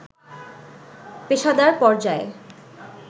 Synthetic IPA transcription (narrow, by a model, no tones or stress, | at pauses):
peʃad̪aɾpɔɾd͡ʑae